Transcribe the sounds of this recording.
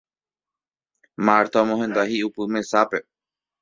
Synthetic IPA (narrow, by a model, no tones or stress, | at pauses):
maɾt̪amõɦẽnd̪ahiupɨmẽsape̞